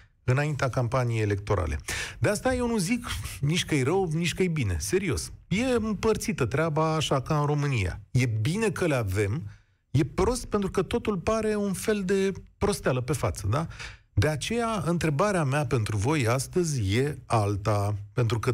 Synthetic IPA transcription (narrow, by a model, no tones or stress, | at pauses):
ɨnaint̪eakampanijejele̞k̚t̪o̞ɾʔa̰lʔe̞̰d̪east̪aje̞wnuzikniʃʲkəjɾəwnit͡ʃʲkəjbine̞̰se̞ɾio̞sje̞ɨmpərt̪sit̪ət̪ɾeabaːʃakaɨnɾo̞mɨnija̰je̞bine̞kəleave̞m | je̞pɾo̞st̪̚pe̞nt̪ɾukət̪o̞t̪ulpaɾe̞unfe̞ld̪e̞pɾo̞st̪ealəpe̞fat̪səd̪a | d̪e̞at͡ʃe̞jaɨnt̪ɾe̞baɾeameape̞nt̪ɾuvo̞jast̪əzʲje̞alt̪ape̞nt̪ɾukə